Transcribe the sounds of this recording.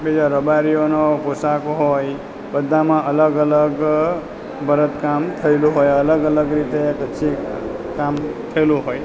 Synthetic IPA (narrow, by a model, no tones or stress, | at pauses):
bid͡ʒaɾəbaɾijonoposakoɦoj | bəd̪ʱːamãʔələɡələɡ | bʱəɾət̪kamt̪ʰəjlũɦojələɡələɡɾit̪ekəːt͡ʃʰikamt̪ʰəjlũɦoj